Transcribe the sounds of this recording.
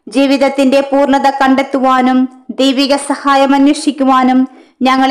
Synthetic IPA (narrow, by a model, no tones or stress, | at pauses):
d͡ʑiːʋiðɐt̪ːinde̞puːrɳɐðɐkɐɳɖe̞t̪ːuʋaːnumd̪ejʋiɣɐsɐhaːjɐmɐnwiʂikʲːuʋaːnumɲɐŋːɐɭ